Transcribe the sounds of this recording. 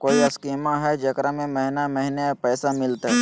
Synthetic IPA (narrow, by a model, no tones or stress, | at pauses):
koːiɐskiːmaɦɛd͡ʒɐkɾamẽməɦɪnamɐɦɪnepɛːsamɪlt̪ɦɛː